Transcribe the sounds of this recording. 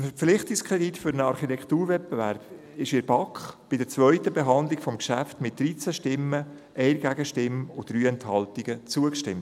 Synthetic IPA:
ənfəɾp͡fflɪχt̪ɪkskʰʁɛditfʏɾənɑɾχitɛktuːɾvɛt̚b̥evæɾb̥ | ɪʃɪɾb̥ɑkχb̥ɪdəɾt͡svœʏtəbeɦɑnd̪lɪɡfɔmkʃæftmɪt̚d̥ɾiːt͡sæʃtɪmːə | ʔɛɪɾɡ̥æɡəʃtɪmʊd̥ɾyːɛnthɑltiɡ̥ət͡suəkʃtɪmt

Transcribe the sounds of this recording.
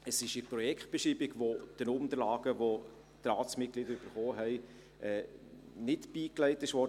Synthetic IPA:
əsɪʃəpɾɔjɛkχt̚b̥ɛʃiːbɪɡʋod̥ənʊmdəɾlaːɡ̥əʋo | t̪ɾɑːt͡smɪt̚klɪd̪əɾyb̥əɾχoːɦɛɪ | ʔɛː | nɪtb̥iːklɛɪtːɪʃʋɔɾə

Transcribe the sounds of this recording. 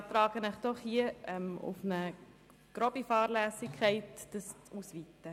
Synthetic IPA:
t̪ɾɑːɡ̥ənəχd̥ɔχhiəɛmṵfnə | ɡ̥ɾɔbifɑːɾlæːsɪkʰːæɪtd̥əsuːsʋiːt̪ːə

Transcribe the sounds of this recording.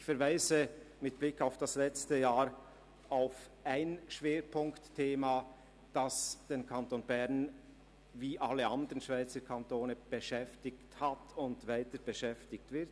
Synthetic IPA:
ɪçfɛɐɾvaɪzəmɪt̚b̥lɪkːaʊfd̥aslɛt͡stəjaːɾ | aʊf | ʔaɪnʃv̥eːɾpʰʊŋktʰːeːma | d̥ɑsd̥eːnkʰantonbɛʁn | viːʔaləandəʁənʃv̥aɪt͡səkʰantoːnəb̥əʃɛftɪkthatʊntvaɪtəb̥əʃɛftɪk̚tv̥ɪʁt

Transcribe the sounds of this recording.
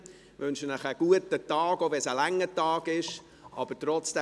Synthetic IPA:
ʋʏnʃənəχəɡ̥uətətɑːɡovɛnsəlæŋːətɑːɡɪʃ | ʔɑb̥əɾtɾɔt͡sd̥ɛ

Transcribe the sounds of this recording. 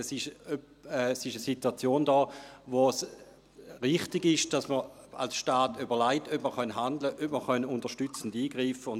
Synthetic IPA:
sɪʃøp | ɛsɪʃəsituat͡sjoːndɔːʋos | ʁɪχtɪɡɪʃd̥asmə | a̰lsʃtaːtybɐʁlaɪtøpməχœnɦandləʔøpməχœnuntəʃtyt͡sən̩diːɡʁiːfəʊn

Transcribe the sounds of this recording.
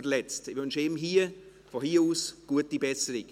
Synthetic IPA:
əlɛt͡stɪvønʃeːm̩ɦiːə | fɔhiːuːsɡ̥uət̚dibɛsəɾɪk

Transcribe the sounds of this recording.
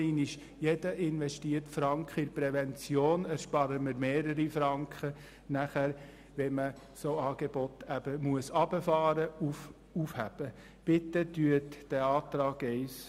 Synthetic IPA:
ɪniʃ | jɛdəʔɪnʋɛʃtiəɾtfɾɑŋkχəɪɾpɾɛʋɛnt͡sjoːnæɾʃpɑɾəməɾmeːɾəɾifɾɑŋkχə | næχæɾ | ʋɛmə | soɑːɡ̥ebɔt̪æb̥əmuəsɑbəfɑːɾəuf | ufhæb̥ə | b̥ɪt̪ːətyətd̥ɛɑːt̪ɾɑːɡɛɪs

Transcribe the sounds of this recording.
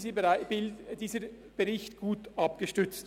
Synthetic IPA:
əaɪbɪld̥iːzə | b̥əʁɪçtɡ̥uːtʔɑp̚ɡ̥əʃtʏt͡st

